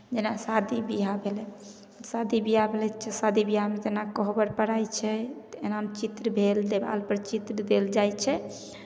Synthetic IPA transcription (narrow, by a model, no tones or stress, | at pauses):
d͡ʒenasad̪ibiɦabʱelɛ | sad̪ʱibiɦabʱelɛt͡ʃʰɛsad̪ʱibiɦamet̪enakɔɦbəɾpəɽajt͡ʃʰɛt̪enamt͡ʃit̪ɾəbʱeld̪eba̰lpəɾt͡ʃit̪ɾəd̪eld͡ʒajt͡ʃʰɛ